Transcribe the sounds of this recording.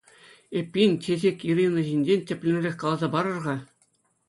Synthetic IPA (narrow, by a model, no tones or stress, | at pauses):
epʲːinʲtʲezʲekʲiɾʲinɤ̆ʑinʲd͡ʑenʲtʲɘ̆pʲlʲĕnʲerʲexʲkɑlˠɑzɑbɑɾɤ̆rʁɑ